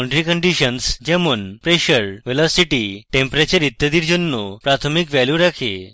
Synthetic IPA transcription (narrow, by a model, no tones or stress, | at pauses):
ɳɖɾikəɳɖiɕənsd͡ʑemuːnpɾeɕəɾʋelɔsiʈiʈẽmpɾet͡ɕəɾit̪ːəd̪iːɾd͡ʑənːupɾat̪ʰəmikʋɛljuɾakʰḛ